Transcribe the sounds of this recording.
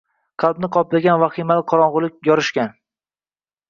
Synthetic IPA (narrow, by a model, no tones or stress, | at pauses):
qʰɑlˠbnɪqʰɒplaɡʲanvaχimalɪqʰɒɾɒɴʁʊlˠɪk̚ʲjɒɾɪʃkʲan